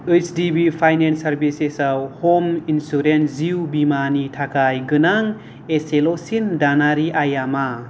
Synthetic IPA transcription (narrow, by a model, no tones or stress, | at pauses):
ɯsdibipʰajnensaɾbisesawhominsuɾenziwbimanitʰakʰajɡɯnaŋ | eselosindanaɾiʔajama